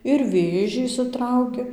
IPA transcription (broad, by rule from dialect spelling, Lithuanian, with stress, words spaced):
ɪr ˈʋʲeːʒʲiː ɪʃʲsʲɪˈtrɐʊkʲɪ